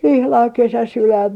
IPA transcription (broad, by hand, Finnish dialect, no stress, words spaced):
ihlɑŋ kesæsilːæim